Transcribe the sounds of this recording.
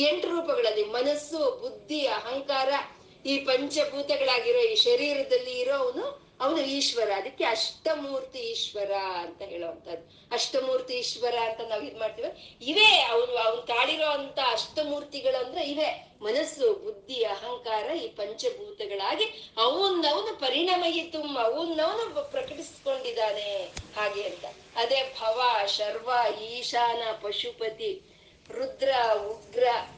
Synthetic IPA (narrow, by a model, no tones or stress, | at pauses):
eɳʈɾuːpɐɡɐɭɐlːimɐnɐsːubud̪ʱːiɐɦɐŋkaːɾɐ | iːpɐɲt͡ʃɐbʱuːt̪ɐɡɐɭaːɡiɾoːiːʃɐɾiːɾɐd̪ɐlːiːɾoːʋɐnu | ɐʋɐnuiːʃʋɐɾaːd̪ikːeɐʂʈɐmuːɾt̪iːʃʋɐɾaɐnt̪ɐɦeːɭoʋɐnt̪ʰɐd̪ːu | ɐʂʈɐmuːɾt̪iːʃʋɐɾaɐnt̪ɐnaːʋid̪maːɖ̚t̪iːʋiiʋeːɐʋɐnuɐʋɐnk̪aːɭiɾoːɐnt̪ʰaɐʂʈɐmuːɾt̪iɡɐɭɐnd̪ɾeiʋe | mɐnɐsːubud̪ʱːiɐɦɐŋkaːɾɐiːpɐɲt͡ʃɐbʱuːt̪ɐɡɐɭaːɡiɐʋunɐʋɐnupɐɾiɳɐmɐɦit̪umɐʋunːɐʋɐnupɾɐkɐʈisko̞ɳɖid̪aːne̞haːɡeɐnt̪ɐ | ɐd̪eːbʱɐʋaʃɐɾʋaiːʃaːnɐpɐʂupɐt̪i | ɾud̪ɾɐuɡɾɐ